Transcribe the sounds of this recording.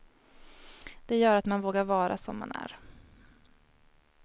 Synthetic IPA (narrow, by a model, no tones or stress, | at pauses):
d̪̥ɛjœːɾat̪manvoːɡaɾvɑːɾa̰sɔmːa̰næ̰ɾ